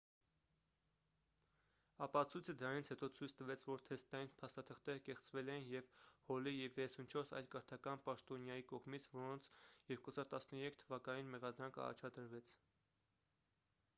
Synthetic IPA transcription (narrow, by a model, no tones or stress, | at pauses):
ɑpɑt͡sʰujt͡sʰəd̪əɾɑnit͡sʰhɛt̪ɔt͡sʰujt͡sʰt̪əvɛt͡sʰvɔɾt̪ʰɛst̪ɑjinpʰɑst̪ɑt̪ʰəχt̪ɛɾəkɛχt͡svɛlɛjinjɛvhɔlijɛvjɛɛsunt͡ʃʰɔɾsɑ̰jlkəɾt̪ʰɑkɑnpɑʃt̪ɔnjɑjikɔʁmit͡sʰvɔɾɔnt͡sʰjɛɾkuhɑzɑɾt̪ɑsnəɾɛkʰt̪ʰəvɑkɑninmɛʁɑd̪ɾɑŋkʰɑ̰rɑ̰t͡ʃʰɑd̪əɾvɛt͡sʰ